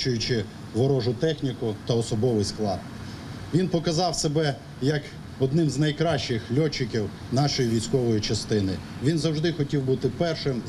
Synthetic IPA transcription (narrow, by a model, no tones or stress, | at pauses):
t͡ʃʊjʊt͡ʃɪ | ʋɔɾɔʒʊt̪ɛxnʲikʊt̪ɐɔsɔbɔʋɪjsklˠɑd̪ | ʋʲinpɔkɐzɑwsebɛ | jɐk | ɔd̪nɪmznɐjkɾɑʃt͡ʃɪxlʲɔt͡ʃːɪkʲiw | nɑʃɔjiʋʲijsʲkɔʋɔjit͡ʃɐst̪ɪnɪ | ʋʲinzɐwʒd̪ɪxɔtʲiwbut̪ɪpɛrʃɪm